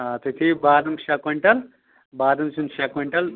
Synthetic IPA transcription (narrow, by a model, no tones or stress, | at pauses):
at̪ut̪ʰibaːd̪ɐmʃakɐɳʈɐl | baːd̪ɐmt͡ʃunʃakɐɳʈɐl